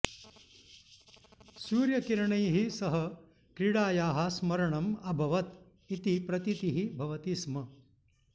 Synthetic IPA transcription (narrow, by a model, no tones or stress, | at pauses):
suːɾjɐkiɾɐɳɐjɦisɐɦɐ | kɾiɽaːjaːɦɐsmɐɾɐɳɐmɐbʱɐʋɐt̪ | it̪ipɾɐt̪it̪iɦibʱɐʋɐt̪ismɐ